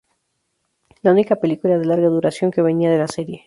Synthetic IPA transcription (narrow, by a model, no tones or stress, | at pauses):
launikape̞likulað̞e̞laɾɣaðuɾasjoŋke̞βe̞niað̞e̞lase̞ɾje̞